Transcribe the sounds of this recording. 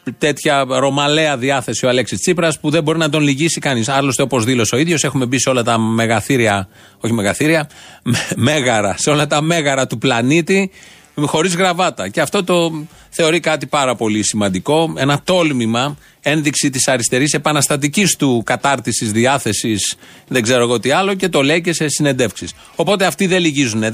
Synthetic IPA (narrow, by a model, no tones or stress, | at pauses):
t̪e̞t̪çɐɾo̞mɐle̞ɐðiɐθe̞sio̞ɐle̞ksist͡sipɾɐspuðebo̞ɾinɐd̪o̞nliʝisikɐnisɐɾlo̞st̪e̞o̞po̞zðilo̞seo̞iðʝo̞se̞xume̞bise̞o̞lɐt̪ɐme̞ɣɐθiɾiɐ | oçimeɣɐθiɾiɐ | me̞ɣɐɾɐseo̞lɐt̪ɐme̞ɣɐɾɐt̪uplɐnit̪i | xo̞ɾizɣɾɐvɐt̪ɐce̞ɐft̪o̞t̪o̞ | θe̞o̞ɾikɐt̪ipɐɾɐpo̞lisimɐnd̪iko̞e̞nɐt̪o̞lmimɐ | e̞nðiksit̪isɐɾist̪e̞ɾise̞pɐnɐst̪ɐt̪̬icist̪ukɐt̪ɐɾt̪isizðiɐθe̞sis | ðe̞ɡze̞ɾo̞eɣoot̪iɐlo̞ce̞t̪o̞le̞ice̞se̞sine̞nd̪e̞fksis | o̞po̞t̪e̞ɐft̪iðeliʝizune